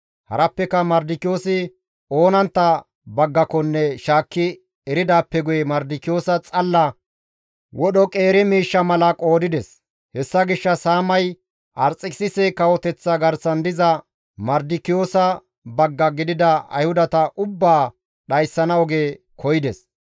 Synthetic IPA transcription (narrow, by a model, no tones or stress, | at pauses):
hɐ̰ɾɐpːɛkɐmɐɾd̪ɪkɪjo̞ːsɪ | o̞ːnɐnt̪ːɐ | bɐɡːɐkɔnːɛʃaːkːɪ | ɛɾɪd̪aːpːɛɡʊjɛmɐɾd̪ɪkɪjo̞ːsɐt͡sʼɐlːɐ | wɔɗɔkʼe̞ːɾɛmiːʃːɐmɐlɐkʼo̞ːd̪ɪd̪ɛs | hɛsːɐɡɪʃːɐsaːmɐj | ʔɐɾt͡sʼːɪksɪsɛkɐwɔt̪ɛt͡sːɐɡɐɾsɐnd̪ɪzɐ | mɐɾd̪ɪkɪjo̞ːsɐ | bɐɡːɐɡɪd̪ɪd̪ɐɐ̰jhʊd̪ɐt̪ɐʔʊbːaː | ɗɐjsːɐnɐɔɡeː | kʰɔjɪd̪ɛs